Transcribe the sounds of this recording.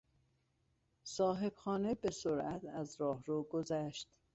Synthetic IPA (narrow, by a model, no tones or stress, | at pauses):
sɒːɦe̞b̥xɒːnebesoɾæt̪ʰæzɾɒːhɾoːɡozæʃt̪